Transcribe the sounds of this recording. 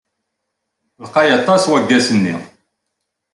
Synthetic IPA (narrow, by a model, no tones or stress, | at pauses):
ðqɑjɑt̪ˤːɑswæɡːæsənːḭ